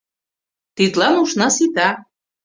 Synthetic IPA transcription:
t̪it̪lɑnuʃnɑsit̪ɑ

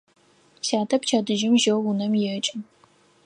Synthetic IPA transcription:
saːtʰɐpt͡ʃʰaːdɨʒɪmʒɐwunɐmjɛt͡ʃʼɪn

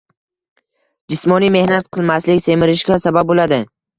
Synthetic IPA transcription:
d͡ʒɪsmɒnijme̞hnat̪qʰɨlˠmaslɪkʲse̞mɪɾɪʃɡʲasabap̚bolad̪ɪ

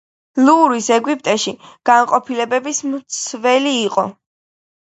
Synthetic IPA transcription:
luɾisɛɡwip̚ʼt̪ʼɛʃiɡ̥anqʼɔpʰilɛbɛbismt̪sʰvɛliːqʼɔ

